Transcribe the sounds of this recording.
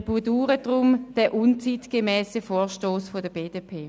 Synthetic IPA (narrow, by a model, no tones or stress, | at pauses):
b̥uduːʁədʁʊmd̥ɛʔunt͡sitɡ̥emɛːsəfoːɐʃtoːsfodəb̥eːdepʰeː